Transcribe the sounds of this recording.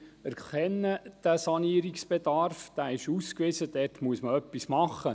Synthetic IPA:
æɾkɛnːəd̥æsɑniːəɾiksb̥ed̪ɑrfd̥̪æːɪʃuːskʋɪsəd̥ɛtmuəsməœpːismɑχːə

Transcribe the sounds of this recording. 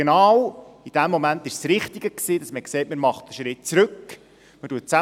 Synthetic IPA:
enɑːwid̥æmːomæntɪʃsɾɪχtiɡ̥əksiːd̥ɑsməkseɪt̚mɪɾmɑχt̚əʃɾɪt̚t͡sɾɵk | mətuət̚t͡sæ

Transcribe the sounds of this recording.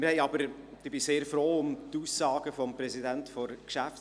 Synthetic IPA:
mɪɾhɛɪɑbəɾ | d̥ɪbɪseːɾfrɾoːʊmt̪uːsːɑːɡ̥əfɔmpɾɛsidænt̪fɔɾkʃæf

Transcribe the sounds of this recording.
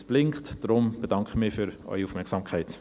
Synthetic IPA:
sb̥lɪŋktd̥ɾʊmb̥ed̥ɑŋkχəmɪːfyɾœ̰ʏiuːfmɛksɑmkʰχaɪt

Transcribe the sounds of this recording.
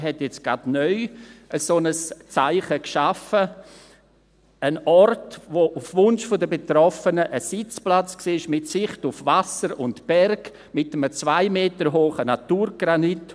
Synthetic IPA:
ɦɛtjɛt͡sɡ̥adnœʏʔəsonəst͡saɪχəkʃafə | ənɔrtvoʔufvʊnʃfodəbetɾɔfənəʔəsɪt͡splat͡sksiːɪʃmɪtsɪχtufvasəɾʊntb̥ɛrɡ | mɪtəmət͡svaɪmeːtəɾɦoːχənatuːɾɡ̥ɾanit

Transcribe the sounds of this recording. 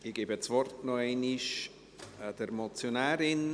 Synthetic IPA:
ɪɡ̥eːbət͡svɔrtnoɛɪniʃ | d̥əɾmot͡sjonɛːɾɪn

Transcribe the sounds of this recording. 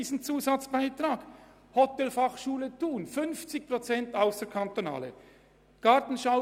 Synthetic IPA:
iːsn̩t͡suːzɑt͡sb̥aɪt̪raːɡ̥ | hɔtɛlfɑχʃuːlətuːnfʏnft͡sɪk̚pʁot͡sɛntaʊsd̥əkʰɑntona̰ːlə̰ | ɡ̥ɑtn̩ʃaʊ

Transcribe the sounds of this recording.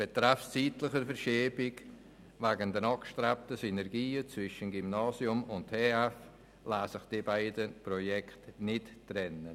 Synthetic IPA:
b̥etɾaft͡siːtlɪχəɾfəɾʃeːbɪɡ | vaːɡəndɛɾnɑkʃtɾap̚təsinɛɾɡiːət͡svɪʃənɡimnɑːsjʊmʊnttʰeːɛf | laːsɪχd̥ibaɪdəprojɛktnɪttrɛnə

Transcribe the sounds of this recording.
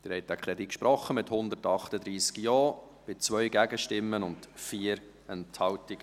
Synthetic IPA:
d̥ɪɾhɛɪtækʰχɾɛdikʃpɾɔχːəmɪthʊnd̪əɾtɑχtəd̪ɾiːskjɔː | b̥ɪt͡sʋœʏɡæɡəʃtɪmːənʊntfiːəɾ | ɛnthɑltɪɡ̥ə

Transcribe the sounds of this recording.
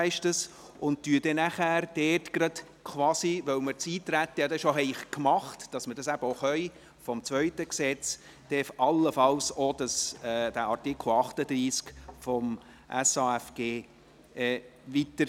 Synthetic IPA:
ɛɪʃtəs | ʊnd̚tyəd̥ɛnæχæːɾd̥ɛːtɡ̥ɾɑt | kʰʋɑːsiʋœwməɾt͡siːtɾæt̪ːəjɑd̪ɛʃɔɦɛɪχkmɑχtd̥ɑsmədɑsæbəoχœj | fɔmt͡svœʏtəksɛt͡s | d̥ɛfɑlːəfɑlsɔd̥ɑsɛːd̥æɑɾtikʰl̩ɑχtəd̥̪ɾiːskfɔm | ʔæ̰sɑɛfɡ̥eː | ɛvitəɾ

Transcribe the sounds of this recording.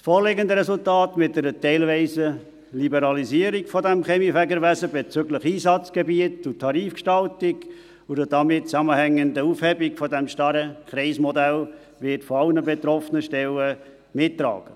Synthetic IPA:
sfoːɾlɪɡəndəɾɛsultɑːtmɪt̚dəɾətɛɪlvɛɪsə | libəɾɑliziːəɾikfɔdɛmχɛmifæɡəɾʋæsəbet͡sʏɡləχiːsɑt͡sɡ̥ebiətʊtʰːɑɾiːfkʃtɑltɪɡ | ʊdəd̥ɑmɪt̚t͡sæməhæŋːəndəuːfhɛbikfɔdɛmʃtɑɾəkχɾɛɪsmɔdæl | vɪtfɔɑlnəbet̪ɾɔfənəʃtɛlə | mɪtːɾɑ̰ːɡ̥ə

